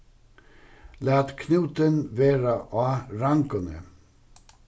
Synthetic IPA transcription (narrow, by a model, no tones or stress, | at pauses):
læːt̪kʰnʉːt̪ənʋeːɾaʔɑːɾaŋkɔnə̰